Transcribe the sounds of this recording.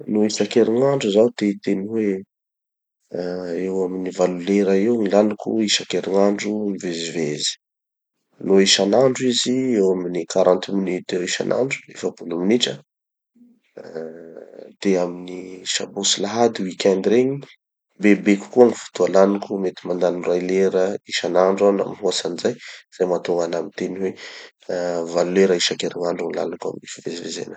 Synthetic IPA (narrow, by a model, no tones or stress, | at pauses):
noisakeɾiŋaɳɖ͡ʐuzawt̪et̪enuwe | ewaminivaluleɾaewnilanikṵiʃakeɾiŋaɳɖ͡ʐumivezivezi̥ | noiʃanaɳɖ͡ʐuiziewaminikaɾãnt̪minit̪eɾiʃa̰nʔa̰ɳɖ͡ʐu̥efəbuluminiʈ͡ʂə | d̪̥eaminiʃabosilaɦad̪iwikʲand̪iɾeɲi | bebekʲu̥kuaŋifu̥t̪ualanukʲumet̪imand̪anrajleɾəiʃanaɳɖ͡ʐana̰minɦuasanizajz̥ajmat̪oŋɡanamint̪eniwe | valuleɾaiʃakeɾiŋaɳɖ͡ʐanla̰laka̰minifivezivezḛnə̥